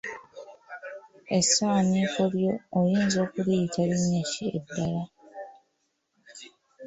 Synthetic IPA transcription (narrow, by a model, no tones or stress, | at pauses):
e̞sːaːniːko̞ljo̞ːjiːnzo̞ːkulijitʰaliɲːaʃiḛdːala